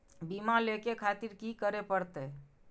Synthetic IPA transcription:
bimalekekʰat̪iɾkikəɾepəɾt̪ɛ

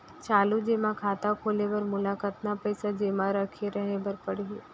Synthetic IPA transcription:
t͡ʃaːlud͡ʒeːmãkʰaːt̪akʰoːleʋəɾmʊlakat̪napəjsad͡ʒeːmãɾəkʰeɾəɦebəɾpəɽeɦeː

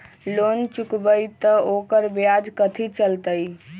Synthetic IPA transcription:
lont͡ʃukbəjt̪əokəɾbjad͡ʒkət̪ʰit͡ʃəlt̪əj

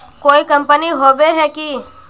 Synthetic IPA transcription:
koːikəmpəniɦoːbeɦɛkiː

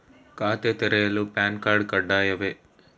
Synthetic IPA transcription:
kaːt̪et̪ɛɾɛjɐlupaːnkaːɾɖ̚kɐɖːaːjɐʋe

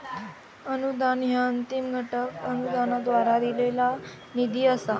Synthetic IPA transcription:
ənud̪anɦjaənt̪imɡʱəʈəkənud̪anad̪ʋaɾad̪ilela | nid̪ʱiːəsa

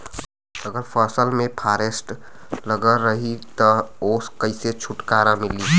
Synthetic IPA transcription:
əɡəɾpʰəɾsəlmepʰaːɾesʈ | ləɡəɾːəɦit̪ɔoskəɪset͡ʃʰuʈkaːɾãmɪli

